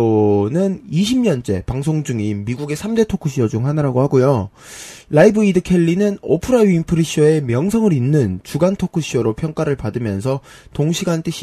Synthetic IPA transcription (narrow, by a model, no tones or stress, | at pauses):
onɯniɕʰimɲʌnt͡ɕ͈e̞̰paŋs̬ʰoŋd͡ʑuŋimːiɡuɡe̞sʰamde̞tʰokʰuɕʰiʌd͡ʑuŋɦanɯɾaɡohaɡojo | ɾaibɯidɯkʰe̞ʎːinɯnopʰɯɾajuinpʰɯɾiɕ͈ʰiʌe̞mjʌŋsʰʌŋɯɾinːɯnt͡ɕuɡantʰokʰɯɕʰiʌɾopʰjʌŋk͈aɾɯɭpadɯmjʌns̬ʰʌ | toŋɕʰiɡant͈ʰeɕʰ